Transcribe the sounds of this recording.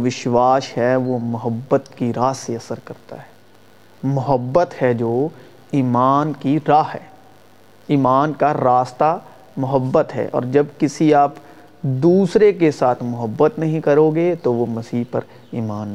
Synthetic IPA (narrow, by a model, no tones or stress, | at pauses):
ʋɪʃwaːʃɦɛʋomʊɦəbːət̪kiɾaːseɐsəɾkɐɾt̪a̰ɦɛː | mʊɦəbːət̪hɛd͡ʒoː | iːmaːnkiɾaːɦɛ̰ː | iːmaːnkaɾaːst̪a | mʊɦəbːət̪ɦɛ̰ːʔɔ̰ːɾd͡ʒɐbkɪsiaːp | d̪uːsɾekesaːt̪ʰmʊɦəbːət̪nɐɦĩkɐɾoːɡet̪oʋomɐsiːɦpɐ̰ɾ | iːmaːnː